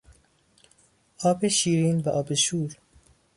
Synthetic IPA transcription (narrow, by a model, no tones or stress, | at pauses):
ɒːbeʃiːɾiːnbæʔɒːbeʃuːɾ